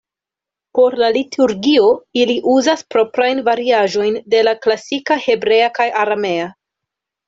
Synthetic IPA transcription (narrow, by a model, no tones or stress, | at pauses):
po̞ɾlalitʰuɾɡio̞iliʔuzaspɾo̞pɾajnvaɾiaʒo̞jnde̞laklasikahe̞bɾe̞akajʔaɾame̞a